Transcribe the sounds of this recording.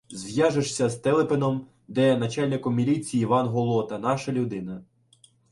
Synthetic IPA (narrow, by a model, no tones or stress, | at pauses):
zʋjɑʒeʃsʲɐzt̪ɛlˠepenɔm | d̪ɛnɐt͡ʃɑlʲnɪkɔmːʲilʲit͡sʲijiːʋɑnɦɔlˠɔt̪ɐnɑʃɐlʲʊd̪ɪnɐ